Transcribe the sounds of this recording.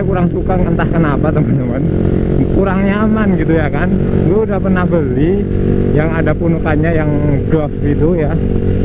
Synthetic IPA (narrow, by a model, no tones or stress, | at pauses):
kuɾaŋsukaŋənt̪ahkanapat̪əmant̪əman | kuɾaŋɲamanɡit̪ujakan | ɡuaudahpərnahbəli | jaŋadapunukaɲajaŋɡɔfɡit̪uja